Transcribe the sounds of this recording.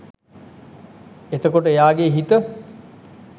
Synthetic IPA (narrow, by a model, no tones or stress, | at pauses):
et̪əkoʈəejaːɡeɦit̪ə